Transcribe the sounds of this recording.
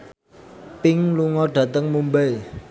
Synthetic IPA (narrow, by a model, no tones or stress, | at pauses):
pɪŋluŋɔɖ̥ä̤t̪əŋmumbɛj